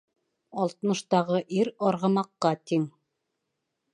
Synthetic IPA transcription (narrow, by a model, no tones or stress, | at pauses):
ɑlˠt̪ɤ̆nɤ̆ʃt̪ɑʁɤʔiɾɑɾʁɤ̆mɑqːɑt̪iŋ